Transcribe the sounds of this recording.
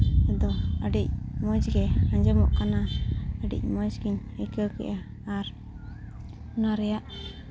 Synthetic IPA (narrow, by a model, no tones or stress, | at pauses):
ɛd̪ɔəɖic̚mɔd͡ʒɡɛaɲd͡ʒɔmɔʔkanaəɖḭc̚ˀmɔd͡ʒɡiɲəkəwkɛ̰ʔaː | ɾ | unaɾɛjaʔ